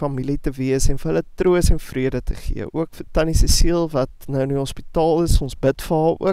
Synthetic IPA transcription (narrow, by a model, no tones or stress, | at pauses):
fɐmilitəviəsɛnfərɦələtruəsɛnfriədətʰə̰χḭəʔuəkfətɐnisəsiəlˠvɐtnəwniɦɔspitɑːlˠəsɔnsbətfɑṵə